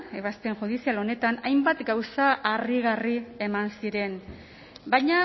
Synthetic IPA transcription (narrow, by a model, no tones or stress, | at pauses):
e̞βast̪e̞ŋxuðisialo̞ne̞t̪anajmbat̪ɡawsaʔariɣ̞arie̞mansiɾe̞n | bajɲa